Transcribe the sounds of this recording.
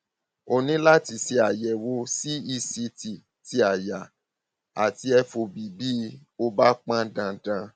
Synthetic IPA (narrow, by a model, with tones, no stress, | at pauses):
o˧nĩ˨˦la˦ti˧se˧a˨jɛ˨wo˧si˦i˧si˧ti˨ | ti˧a˨ja˨ | a˨ti˧ɛ˧fo˨bi˨bi˦ | o˧ba˦k͡pã˦dã˧dã˧